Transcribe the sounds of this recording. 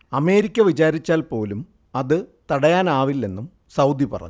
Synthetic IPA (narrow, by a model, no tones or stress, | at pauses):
ɐme̞ːɾikʲːɐʋit͡ɕaːɾit͡ɕːaːlpo̞ːlum | ɐðɨt̪ɐɽɐjaːnaːʋilːe̞nːum | sɐwd̪ipɐ̰rɐ̰ɲ